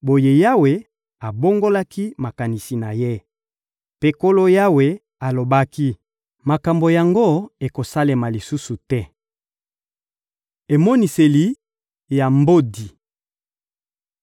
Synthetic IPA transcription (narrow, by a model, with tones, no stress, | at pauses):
bo˨je˦ja˦we˨ | a˨bo˦ŋɡo˦la˦ki˦ma˨ka˨ni˨si˨na˨je˦ | pe˦ko˦lo˦ja˦we˦ | a˨lo˨ba˦ki˦ | ma˨ka˨mbo˨ja˨ŋɡo˦e˨ko˨sa˦le˨ma˨li˨su˦su˨tɛ˦ | e˨mɔ˦ni˨se˨li˨ | ja˨mbo˦di˨